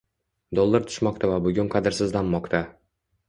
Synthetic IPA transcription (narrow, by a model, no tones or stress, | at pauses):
d̪olˠːaɾt̪ʰʊ̥ʃmɒq̚t̪ʰavabʊɡʲʊnqʰɑd̪ɪɾsɪzlamːɒqt̪ʰa